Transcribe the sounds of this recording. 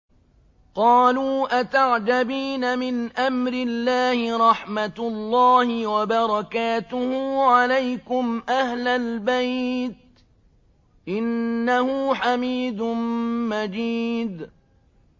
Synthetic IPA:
qɑːluːʔat̪aʕd͡ʒabiːnamɪnʔamɾɪlːaːhɪɾˤɑħmat̪lˤːɑːhɪwabɑɾˤɑkaːt̪ʊhʊːʕalajkʊmʔahlalbajt̪̚ | ʔɪnːahʊːħamiːd̪ʊnmad͡ʒiːd̪

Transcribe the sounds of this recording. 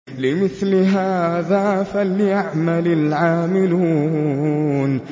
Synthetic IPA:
lɪmɪθlɪɦaːðafalijaʕmalɪlʕaːmɪluː | n

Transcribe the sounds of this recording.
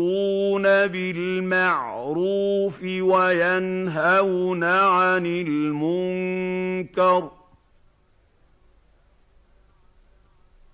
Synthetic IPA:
uːnabɪlmaʕ | ɾuːfɪwajanɦawnaʕanɪlmʊŋŋkɑɾˤ

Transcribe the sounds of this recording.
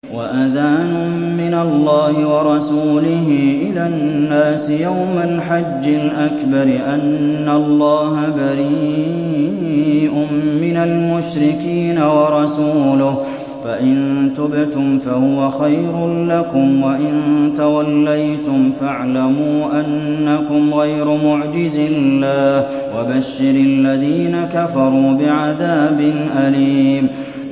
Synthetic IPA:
waʔaðaːnʊ | mɪnalːɑːhɪwɑɾˤɑsuːlɪɦɪʔɪlaːnːaːsɪjawmalħad͡ʒːɪlʔakbɑɾɪʔanːalˤːɑːɦabaɾi | ʔʊmːɪnalmʊʃɾɪkiːnawɑɾˤɑsuːlʊh | faʔɪnt̪ʊbɪt̪ʊmfahʊwaxajɾʊlakʊmwaʔɪnt̪awalːajt̪ʊmfaʕlamuːʔanːakʊmɣajɾʊmʊʕd͡ʒɪzɪlːaːh | wabaʃːɪɾalːaðiːnakafɑɾˤuːbɪʕaðaːbɪnʔaliːm

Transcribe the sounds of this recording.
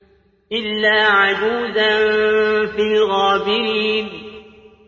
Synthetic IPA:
ʔɪlːaːʕad͡ʒuːzanfiːɣaːbɪɾiːn

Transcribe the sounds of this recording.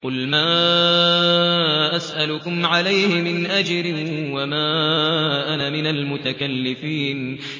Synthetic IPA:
qʊlmaː | ʔasʔalʊkʊmʕalajhɪmɪnʔad͡ʒɾɪwamaːʔanamɪnalmʊt̪akalːɪfiːn

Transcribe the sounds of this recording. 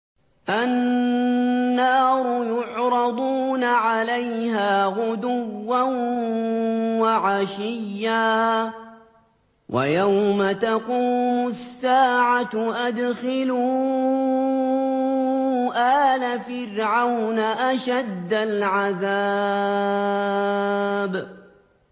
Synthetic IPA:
ʔanː | ɑːɾʊjʊʕɾˤɑd̪ˤuːnaʕalajhaːɣʊd̪ʊwːan | waʕaʃɪjːaː | wʔa̰jawmat̪aquːmʊsːaːʕaʔad̪xɪluː | ʔaːlafɪɾʕawnaʔaʃad̪ːalʕaða | b

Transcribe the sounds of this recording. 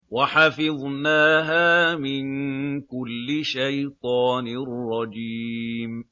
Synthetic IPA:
waħafɪðˤnaːɦaːmɪnkʊlːɪʃajt̪ˤɑːnɪrrˤːɑd͡ʒim

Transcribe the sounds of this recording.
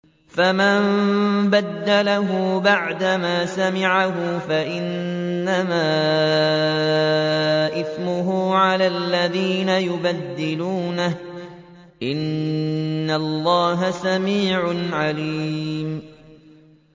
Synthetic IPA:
famambad̪ːalaɦʊbaʕd̪amaːsamɪʕaɦʊfaʔɪnːamaː | ʔɪθmʊɦʊːʕalaːlːaðiːnajʊbad̪ːɪluːnah | ʔɪnː | alˤːɑːɦasamiːʕʊʕaliːm

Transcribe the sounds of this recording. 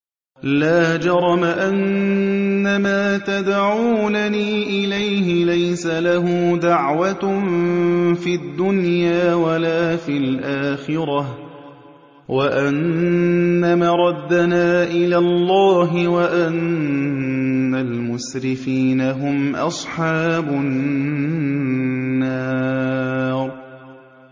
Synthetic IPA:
laːd͡ʒɑɾˤɑmaʔanː | amaːt̪ad̪ʕuːnaniːʔɪlajɦɪlajsalaɦʊːd̪aʕwa | fiad̪ːʊnjaːwalaːfilʔaːxɪɾɑh | waʔanː | amaɾˤɑd̪ːanaːʔɪlaːlˤːɑːɦɪwaʔan | almʊsɾɪfiːnaɦʊmʔɑ̰sˤħɑːbʊ | aː | ɾ

